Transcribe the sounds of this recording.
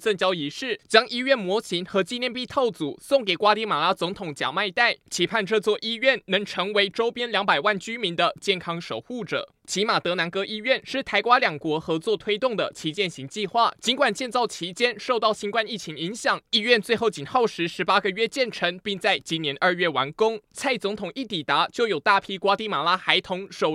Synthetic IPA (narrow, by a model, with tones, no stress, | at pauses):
t͡sə˥˩ŋt͡ɕjɑ˥ʊi˧˥ʂɻ̩˥˩t͡ɕjɑ˥ŋʔi˥ɥɛ˥˩nmwɔ˧˥ɕi˧˥nxɤ˧˥t͡ɕi˥˧njɛ˥˧npi˥˧t̪ʰo˥˩ʊt͡su˨˩sŋke˨˩ɪkwa˥t̪i˧˥ma˨˩la˧˥t͡sʊ˧˥ŋt̪ʰʊ˨˩˦ŋt͡ɕja̰˨˩ma˥˧ɪt̪a˥˩ɪt͡ɕʰi˧˥pʰa˥˧nʈ͡ʂɤ˥˧t͡swɔ˥˧ʔi˥ɥɛ˥˩nnɤ˧˥ŋʈ͡ʂʰɤ˧˥ŋwe˧˥ɪʈ͡ʂo˥ʊpjɛ˥nljɑ˧˥ŋpa˨˩ɪwa˥˩nt͡ɕy˥mi˧˥nd̪ə˧t͡ɕjɛ˥˩nkʰɑ˥ŋʂo̰˨˩ʊxu˥˩ʈ͡ʂɤ̰˨˩ | t͡ɕʰi˧˥ma˨˩t̪ɤ˧˥na˧˥nkɤ˥ʔi˥ɥɛ˥˨nʂɻ̩˥˩t̪ʰa˧˥ɪkwa˥ljɑ˨˩ŋkwɔ˧˥xɤ˧˥t͡swɔ˥˩t̪ʰwe˥ɪt̪ʊ˥˩ŋd̪ə̰˩t͡ɕʰi˧˥t͡ɕjɛ˥˩nɕi˧˥ŋt͡ɕi˥˧xwa˥˩t͡ɕi˧˥nkwa˨˩nt͡ɕjɛ˥˧nt͡sɑ˥˩ʊt͡ɕʰi˧˥t͡ɕjɛ˥nʂo˥˧ʊt̪ɑ˥˩ʊɕi˥nkwa˥˧ni˥˩t͡ɕʰi˧˥ŋi˧˥ŋɕjɑ˨˩˦ŋi˥ɥɛ˥˧nt͡swe˥˧xo˥˩ʊt͡ɕi˨˩nxo˥˩ʊʂɻ̩˧˥ʂɻ̩˧˥pa˥ɡə˨ɥɛ˥t͡ɕjɛ˥˩nʈ͡ʂʰɤ˧˥ŋpi˥˧ŋt͡sa˥˩ɪt͡ɕi˧˥njɛ˧˥nʔə˞˥˧ɥɛ˥˩wa˧˥nkʊ˥ŋt͡sʰa˥˩ɪt͡sʊ˧˥ŋt̪ʰʊ˨˩ŋi˥˩t̪i˨˩t̪a˧˥t͡ɕjo˥˩ʊjo˨˩ʊt̪a˥˩pʰi˥kwa˥t̪i˥˩ma˨˩la˦˥xa˧˥ɪt̪ʰʊ˧˥ŋʂo˨˩ʊ